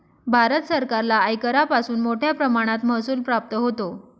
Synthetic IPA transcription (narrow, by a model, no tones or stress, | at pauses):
bʱaɾət̪səɾkaɾlaːjkəɾapasuːnmoʈʰjapɾəmaɽ̃at̪məɦsuːlpɾap̚t̪əɦot̪o